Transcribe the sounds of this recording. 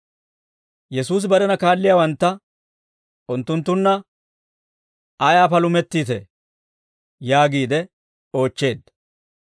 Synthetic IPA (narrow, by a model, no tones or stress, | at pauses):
jɛsuːs̬bɐɾɛnɐkaːlːɪjaːwɐnt̪ːɐ | ʊnt̪ːʊnt̪ːʊnːɐ | ʔɐjaːpɐlʊmɛt̪ːiːt̪ɛ̰ | jaːɡiːd̪ɛ | o̞ːt͡ʃːe̞ːd̪ːɐ